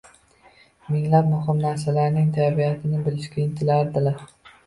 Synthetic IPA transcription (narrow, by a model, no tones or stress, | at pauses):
mɪŋlap̚mʊhɪmnaɾsalaɾnɪŋt̪ʰabiat̪ʰɪnɪbɪlɪʃkʲaɪnt̪ʰɪlaɾd̪ɪlaɾ